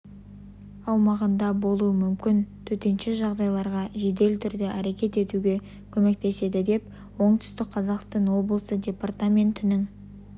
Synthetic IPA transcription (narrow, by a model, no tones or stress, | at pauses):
ɑwmɑʁənd̪ɑbo̞lˠuəmʏmkʲɪnt̪ʰɵt̪e̞nʃɪʒɑʁd̪ɑjlˠɑɾʁɑʒe̞d̪e̞lt̪ʰʏɾd̪eʔæɾe̞kʲe̞t̪e̞t̪uɡʲe̞ | kʲʰɵme̞k̚t̪e̞se̞d̪ɪd̪e̞p | wo̞ɴt̪ʰʏ̥st̪ɪk̚qʰɑzɑqst̪ɑnwo̞blˠəsədʲe̞part̪amʲe̞nt̪ɪnɪŋ